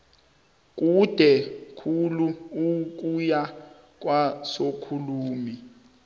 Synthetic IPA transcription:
k̬ʼud̥ʱɛkʰuluuk̬ʼuja | k̬ʼwasokʰuluːmi

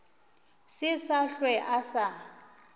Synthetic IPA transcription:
sɪsaɬwɛʔasa

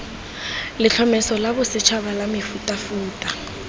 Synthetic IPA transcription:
lɪt͡ɬʰɔmɛsɔlabʊsɪt͡ʃʰaβalamɪfutʼafuːtʼa

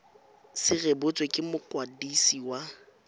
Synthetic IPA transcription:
sɪrebʊt͡sʼwekʼɪmʊkʼwadisiwa

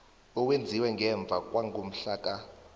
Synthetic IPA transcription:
ɔwend͡zʱiwɛŋɡʱɛɱb̪vʱak̬ʼwaŋɡʱum̩ɬaːk̬ʼa

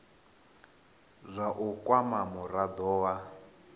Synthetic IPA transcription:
zʷaʔukʼwamamuɾad̪ɔːwa

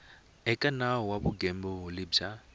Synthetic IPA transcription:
ɛkʼanaɔwabʊɡɛmbɔʊlɪbd͡ʒa

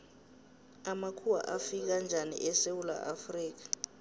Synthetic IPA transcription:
amakʰuwa̰ʔafik̬and͡ʒʱanḭʔɛsewula̰ʔafriːk̬ḁ

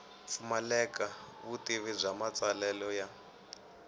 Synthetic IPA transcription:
fumalɛkaβutiβib͡ʐʷamat͡salɛlɔja

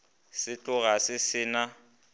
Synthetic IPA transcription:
sɪt͡ɬʼʊɣasɪsɪːna

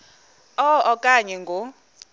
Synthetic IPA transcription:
ɔɔkʼaɲɛŋɡʱo

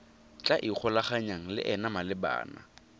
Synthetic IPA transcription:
t͡ɬʼaʔik͡xʰɔlaχaɲaŋ̩lɪ̰ʔɛnamalɪba̰ːna̰

